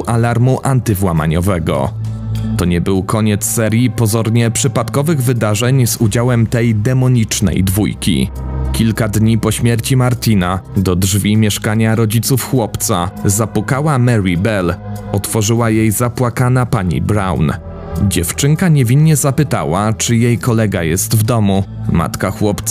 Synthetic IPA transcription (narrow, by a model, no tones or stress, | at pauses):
ʔalaɾmuʔant̪ɘvwama̰ɲɔvɛɡɔ̰t̪ɔɲɛbɘwkʰɔɲɛt̪ssɛɾʲjipɔzɔɾɲɛpʂɘpat̪kɔvɘɣvɘd̪aʐɛɲzud͡ʑawɛmt̪ɛjd̪ɛmɔɲit͡ʂnɛ̰jd̪vujkʲḭkʲilkad̪ɲipɔɕmʲjɛɾt͡ɕimaɾt̪ʲinad̪ɔdʐvʲimʲjɛʂkaɲaɾɔd͡ʑit̪sufxwɔpt̪sa̰zapukawamɛɾibɛlɔt̪fɔʐɘwajejzapwakanapaɲḭbɾa̰wn | d͡ʑɛft͡ʂɘŋkaɲɛvʲinːɛzapɘt̪a̰wat͡ʂɘjejkɔlɛɡa̰jɛst̪vd̪ɔmuma̰t̪kaxwɔpt̪s